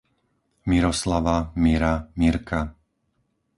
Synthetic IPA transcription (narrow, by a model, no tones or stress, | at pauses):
miɾɔslaʋamiɾamiɾkʰa